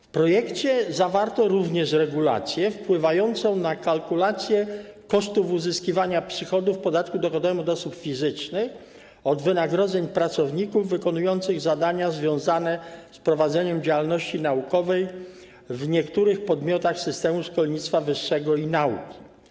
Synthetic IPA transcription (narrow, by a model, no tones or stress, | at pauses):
fpɾɔjɛkt͡ɕɛzavaɾt̪ɔɾuvɲɛʂɾɛɡula̰t̪sʲjɛfpwɘvajɔnt̪sɔ̃w̃nakalkulat̪sʲjɛkɔʂt̪ufuzɘskʲivaɲapʂɘxɔd̪ufpɔd̪at̪kud̪ɔxɔd̪ɔvɛmɔd̪ɔsupfʲizɘt͡ʂnɘx | ɔd̪vɘnaɡɾɔd̪zɛɲpɾat̪sɔvɲikuvːɘkɔnujɔnt̪sɘɣzad̪aɲazvʲjɔ̃w̃zanɛspɾɔvad̪zɛɲɛmd͡ʑawalnɔɕt͡ɕinaukɔvɛj | vɲɛkt̪uɾɘxpɔd̪mʲjɔt̪axsɘst̪ɛmuʂkɔlɲit̪st̪favɘʂːɛɡɔinaukʲi̥